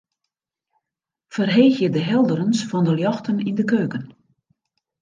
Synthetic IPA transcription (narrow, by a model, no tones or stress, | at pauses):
fərɦeːxjədəɦɛlˠdəɾənsfɔndəljɔxtənindəkøːkən